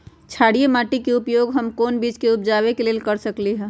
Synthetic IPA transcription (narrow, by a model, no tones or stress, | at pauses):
t͡ʃʰaːɽijemaːʈikeʊpjoːɡɦɐmkoːnbiːt͡ʃkeʊp̚d͡ʒaːwekeleːlkəɾsəkliɦɛ̃ː